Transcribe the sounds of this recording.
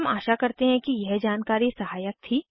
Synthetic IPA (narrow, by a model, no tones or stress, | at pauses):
maːʃakɐɾt̪eɦɛ̃kijɛɦd͡ʒaːnkaːɾisɐɦaːjək̚t̪ʰiː